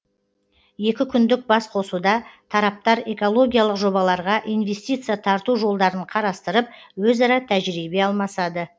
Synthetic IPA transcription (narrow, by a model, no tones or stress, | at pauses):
je̞kʲɪkʲʰʏnd̪ɪk̚bɑsqʰo̞sud̪ɑt̪ʰɑɾɑp̚t̪ɑɾe̞ko̞lˠo̞ɡʲijalˠəqʒo̞bɑlˠɑɾʁɑʔijnve̞st̪ijt̪sɨjat̪ʰɑɾt̪uʒo̞lˠd̪ɑɾəɴqʰɑɾɑst̪əɾəp̚wɵzɑɾɑt̪ʰæʒɾibe̞ɑlˠmɑsɑd̪ə